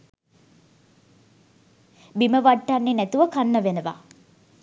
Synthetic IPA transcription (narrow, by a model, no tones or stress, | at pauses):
biməʋaʈːanːenæt̪uʋəkanːəʋenəʋa̰